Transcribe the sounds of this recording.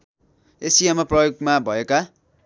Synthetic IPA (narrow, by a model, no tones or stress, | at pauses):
esijamaprʌjoɡmabʱʌeka